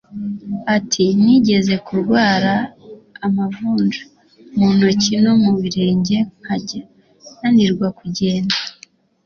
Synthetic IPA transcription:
atʰiniɟe̞ze̞kuɾɡwaːɾaː | mavuːnd͡ʒa | muno̞cino̞muβiɾe̞ːɲɟe̞ŋ̥haɟa | naniɾɡwakuɟe̞ːnda

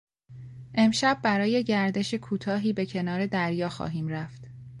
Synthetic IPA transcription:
ʔe̞mʃæb̚ːæɾɒːje̞ɟæɾd̪e̞ʃe̞kʰuːt̪ʰɒːɦiːbe̞cʰe̞nɒːɾe̞d̪æɾjɒːxɒ̰ːɦiːmɾæft̪

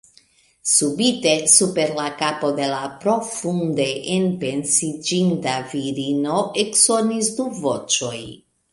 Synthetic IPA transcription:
subite̞supe̞ɾlakapo̞de̞lapɾo̞funde̞ʔenpe̞nsid͡ʒintaviɾino̞ʔeksonis̬duvo̞t͡ʃo̞j

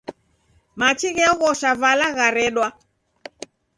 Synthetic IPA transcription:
mat͡ʃiɣɛɔɣɔʃavalaɣaɾɛɗwa

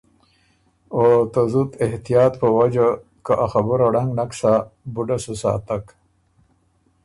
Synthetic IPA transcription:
ot̪azut̪ɪht̪ijɑːt̪pəwad͡ʒa | kaʔaxabuɾaɽaŋɡnaksabuɖasusa̰ːt̪ak

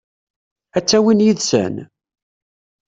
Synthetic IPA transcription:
æt͡sːæwinjiðsæ̰n

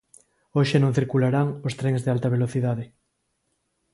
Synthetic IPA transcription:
oʃenõŋθiɾkulaɾaŋost̪ɾeŋzðealt̪ɐβeloθiðaðe

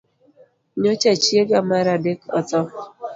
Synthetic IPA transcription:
ɲot͡ʃɛt͡ʃjeɡamaɾadekɔtɔ

